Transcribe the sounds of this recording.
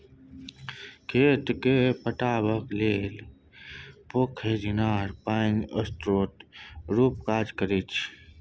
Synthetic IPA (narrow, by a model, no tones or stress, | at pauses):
kʰeːt̪kepəʈaːbəkleːl | pokʰeːdinaːɾpaːinɐst̪ɾoːt̪ɾuːp̚kaːd͡ʒkəɾit͡ʃʰ